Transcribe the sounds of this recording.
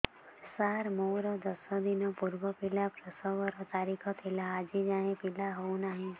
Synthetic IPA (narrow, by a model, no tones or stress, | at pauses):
saːɾmoːɾod̪ɐsõd̪ɪnõpʊɾwəpɪlapɾəsɔʋəɾɔt̪aːɾikʰɔ̃t̪ʰɪlaaːd͡ʒid͡ʒaːẽpɪlaɦonaːɦẽ